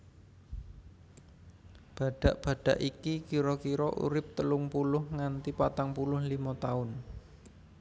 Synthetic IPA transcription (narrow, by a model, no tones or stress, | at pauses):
b̥a̤ɖ̥a̤ʔb̥a̤ɖ̥a̤ʔikikiɾɔkiɾɔʔṵɾɪp̚t̪əlʊŋpulʊhŋant̪ipat̪aŋpulʊhlimɔt̪aʊn